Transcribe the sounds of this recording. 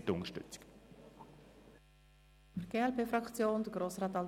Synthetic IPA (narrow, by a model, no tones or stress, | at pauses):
təʊŋəʃtʏ̰t͡sɪ̥k | fəɾɡ̥eːɛlpeːfɾɑkt͡sjoːnd̥̪əɡ̥ɾoːsraɑːt̪ɑl